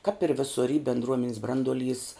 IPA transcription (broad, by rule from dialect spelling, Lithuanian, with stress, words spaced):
kɐp ɪr ˈʋʲɪsʊr iː bʲɛndˈruɔmʲɛnʲɛs ˈbrɐnduɔˌlʲiːs